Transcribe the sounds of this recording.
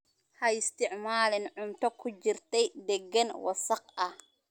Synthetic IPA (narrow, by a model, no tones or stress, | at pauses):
hɐɪst̪ʰɪʕmaːlɪnʕʊmt̪ʰɔkʰʊt͡ʃɪrt̪ʰɛjd̪ɛɡɐnwɑ̰sɐq̚ɐh